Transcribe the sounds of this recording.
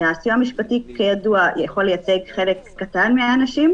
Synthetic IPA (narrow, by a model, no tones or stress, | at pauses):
asijuamiʃpatikejaduajeχolːejat͡seɡχe̞lekːatanmeaːnaʃim